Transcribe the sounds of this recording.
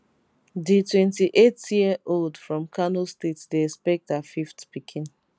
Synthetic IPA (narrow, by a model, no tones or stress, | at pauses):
ditwɛ̃ntiʔetjiəʔoldfɹɔ̃mkʰanostetdeɛspɛk̚tafiftpikʰĩn